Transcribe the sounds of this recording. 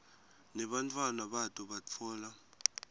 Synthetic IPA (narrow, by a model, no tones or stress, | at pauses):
nɛɓantʰʼwanaɓatʼuɓat͡sʰɔːla